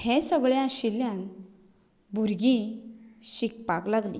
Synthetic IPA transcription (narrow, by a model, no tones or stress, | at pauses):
hesəɡɭjãɕiljãn | bʱuɾɡĩ | ɕik̚paklaɡlḭ̃